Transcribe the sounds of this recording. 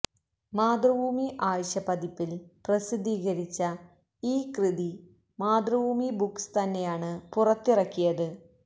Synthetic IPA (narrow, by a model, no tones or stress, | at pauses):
maːd̪rɐbuːmiʔaːʋɐɕɐpɐd̪ipːilprɐsid̪ʱiːɣɐɾit͡ɕːɐ | iːkrɨði | maːd̪rɐbuːmibukst̪ɐnːe̞jaːɳɨpurɐt̪ːirɐkːijɐðɨ